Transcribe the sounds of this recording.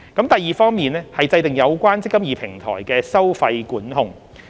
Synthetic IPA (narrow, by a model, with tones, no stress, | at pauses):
kɐ˨˥mt̪ɐ˨jiː˨fɔː˥ŋmiː˨nɛː˥hɐ˨jt͡sɐ˧jt̪ɪ˨˩ŋjɐ˨˧wkʷaː˥nt͡sɪ˥kːɐ˥mjiː˨pʰɪ˨˩ŋt̪ʰɔ̰ː˨˩jkɛː˧sɐ˥wfɐ˧jkuː˨˥nɦʊ˨ŋ